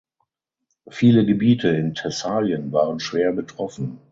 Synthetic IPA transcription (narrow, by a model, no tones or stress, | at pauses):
fiːləɡəbiːtʰəɪntʰɛsaːljənvaːʁənʃv̥eːɐbətʁ̥ɔfn̩